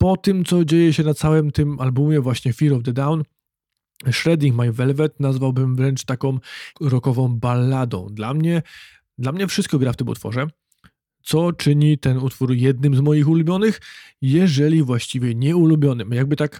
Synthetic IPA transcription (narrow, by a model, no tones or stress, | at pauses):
pɔt̪ɘmt̪sɔd͡ʑejɛɕɛnat̪sawɛmt̪ɘmalbumʲjɛvwaɕɲɛfʲiɾɔvd̪ɛd̪awn | ʂɾɛd̪ʲikmajvɛlvɛt̪nazvawbɘmvɾɛnt͡ʂt̪akɔ̃w̃ɾɔkɔvɔ̃w̃balːad̪ɔ̰̃w̃d̪lamɲɛ | d̪lamɲɛfʂɘst̪̚kɔɡɾaft̪ɘmṵt̪fɔ̰ʐɛ | t̪sɔt͡ʂɘɲit̪ɛnut̪fuɾjɛd̪̚nɘmzmɔjixulubʲjɔnɘx | jɛʐɛlʲivwaɕt͡ɕivʲjɛɲɛulubʲjɔnɘmjaɡ̚bɘt̪ak